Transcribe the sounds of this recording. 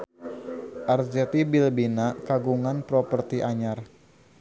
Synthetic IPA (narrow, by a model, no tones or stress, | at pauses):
ʔard͡ʒɛt̪ibilbinakaɡuŋanpɾɔpərt̪iʔaɲar